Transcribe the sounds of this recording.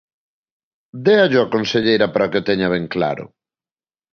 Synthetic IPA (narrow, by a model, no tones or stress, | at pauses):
d̪eaʎʊakonseʎejɾɐpaɾaoket̪ɛɲaβeŋkla̰ɾʊ̰